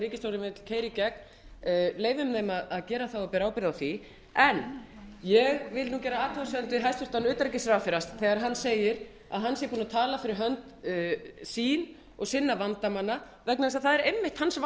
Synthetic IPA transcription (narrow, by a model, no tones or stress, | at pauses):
ɾiːcɪst̪owɾɪmɪt̪lkʰeːjɾicɛk̚n | leːjvʏmnejmaðaðcɛːɾaθawapɛɾawpɪɾɪðawθi | ɛnjɛɣvɪlnuːcɛːɾaaːt̪ʰasœant̪ʏɦɛst̪ʏɾ̥t̪anʏːt̪aɾɛcɪsɾawfɪɾast̪θɛɣaɾɦanːseːjɪɾ | a̰ðɦanːsjɛpuːnat̪ʰaːlafɪɾɪɾɦœnt̪ː | siːn | ɔɣsɪnːavant̪amanːa | vɛknaðɪs̬aðθaðɛɾejmːɪht̪hansv